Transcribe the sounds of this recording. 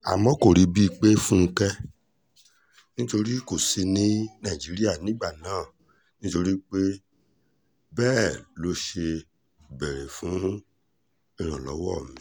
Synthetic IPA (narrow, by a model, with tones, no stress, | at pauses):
a̰˨mɔ̃˦ko˦˨ɾi˨˦bi˦i˧k͡pe˦fũ˦˧kɛ˦ | nĩ˦to˧ɾi˦ko˨si˧nĩ˦nã˦˨d͡ʒi˨˦ɾi˦a˦˨nĩ˨˦ɡ͡ba˦˨nãː˨˦˨ | nĩ˦to˧ɾi˦k͡pe˦ | bɛː˦˨lo˨˦ʃe˧ | bɛ˨ɾẽ˨fũ˨˦ | i˦˧˨ɾ̃ã˨lɔ̰˨˦wɔ˦˨mĩ˨˦